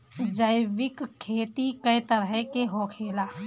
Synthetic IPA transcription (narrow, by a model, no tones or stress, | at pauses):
d͡ʒəɪʋɪkkʰːeːt̪ikəjt̪əɾɦɛkeɦõːkʰeːlaː